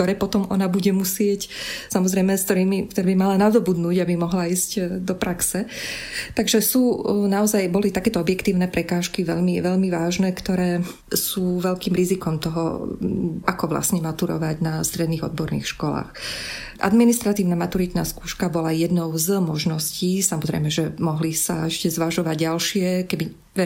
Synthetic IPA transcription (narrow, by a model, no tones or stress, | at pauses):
t̪ɔɾɛːpɔt̪ɔmɔnabuɟɛmusɪɛcsamɔzɾɛjmɛskt̪ɔɾiːmikt̪ɔɾɛːbimalanad̪ɔbud̪nuːɟabimɔɦlaiːzcd̪ɔpɾaksɛt̪aɡʒɛsuːnaɔzajbɔlit̪akɛːt̪ɔɔbjɛkt̪iːʊnɛpɾɛkaːʃkiʋɛʎmiʋɛʎmiʋaːʒnɛːkt̪ɔɾɛː | suːʋɛʎkiːmɾizikɔmt̪ɔɦɔ̰ | ʔakɔʋla̰sɲɛmat̪uɾɔ̰ʋaɟnast̪ɾɛd̪niːɣɔ̰d̪̚bɔɾnḭːxʃkɔla̰ːx | ʔa̰d̪minist̪ɾat̪iːʊnamat̪uɾit̪naːskuːʃkabɔlajɛd̪nɔʊzmɔʒnɔsciːsamɔzɾɛ̰ɪmɛʒɛmɔɦlisaɛʃcɛzʋaʒɔʋaɟɟalʃɪɛkɛbi | ɛ